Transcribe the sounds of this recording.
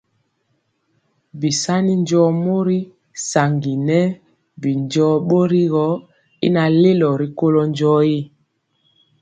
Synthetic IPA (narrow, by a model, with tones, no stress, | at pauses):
bi˨sa˦ni˦n˦d͡ʒɔ˦mo˦ɾi˦ | sa˨ŋɡi˨nɛ˦ | bi˨nd͡ʒɔː˦ɓo˦ɾi˦ɣɔ˦ | ḭ˦na˨le˦lɔ˨ɾi˨ko˦lɔ˦n˦d͡ʒɔ˦i˦